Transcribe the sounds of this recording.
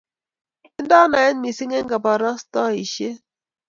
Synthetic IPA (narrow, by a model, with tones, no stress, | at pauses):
i˦n˦dɔ˦na˨ɛ˦nmi˨si˦ŋe˦ŋ˦ɡa˨ba˨ɾɔ˦st̪ɔ˦˨i˨ʃe˦